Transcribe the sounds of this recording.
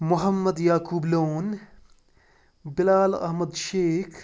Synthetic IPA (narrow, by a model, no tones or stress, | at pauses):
mʊɦɐmːɐd̪jaːkuːbloːn | bɪlaːlɐ̰ɦmɐd̪ʃeːkʰ